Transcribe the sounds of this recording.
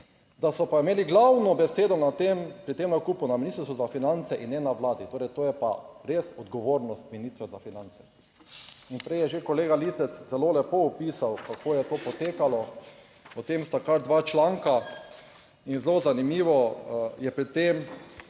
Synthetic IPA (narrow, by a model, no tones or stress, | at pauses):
d̪asɔpaimeːliɡlawnɔbɛseːd̪ɔnat̪empɾɪt̪ːemnakuːpʊnaminist̪ɾst̪uzafinant̪sɛʔinːɛnaʋlaːd̪it̪oːɾɛjt̪oːjɛpa̰ɾesɔd̪ɡɔʋoːɾnɔst̪̚minist̪ɾɛzafinant̪sɛ | inpɾɛjɛʒekɔleːɡalisɛt̪szɛloːlɛpoupiːsawkakoːjɛt̪oːpɔt̪eːkalɔ | pɔt̪emst̪akaɾd̪ʋat͡ʃlaŋka | inzlozanimiːʋɔjɛpɾɛt̪ːem